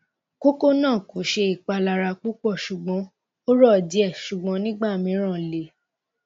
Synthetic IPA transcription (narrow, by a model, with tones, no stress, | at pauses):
ko˦ko˦nãː˦˨ko˨˦ʃe˧i˦˨k͡pa˧la˧ɾa˧k͡pu˦k͡pɔ˦˨ʃu˨ɡ͡bɔ̃˨˦ | o˦ɾɔ˦˨di˨˦ɛ˦˨ʃu˨ɡ͡bɔ̃˨˦nĩ˦ɡ͡ba˦˨mĩ˨˦ɾ̃ã˦˨le˨